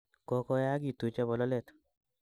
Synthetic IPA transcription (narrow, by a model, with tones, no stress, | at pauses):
kɔ˨kɔ˧ja˦ɡi˦˨t̪u˨t͡ʃa˦bɔ˨lɔ˦lɛ˦˨t̪